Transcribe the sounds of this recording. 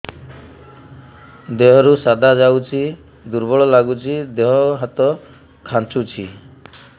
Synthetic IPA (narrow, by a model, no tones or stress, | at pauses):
d̪eɦɔɾusad̪ʱad͡ʒawt͡ʃʰi | d̪uɾbɔɭɔlaɡut͡ʃʰid̪eɦɔɦat̪ɔ | kʰant͡ʃut͡ʃʰḭ